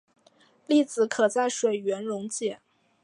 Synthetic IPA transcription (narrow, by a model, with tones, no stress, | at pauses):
li˥˩t͡sɹ̩˧˥kʰɤ˨˩t͡sa˥˩ɪʂwe˨˩ɪɥɛ˧˥nɻʊ˧˥ŋt͡ɕjɛ˥˩˦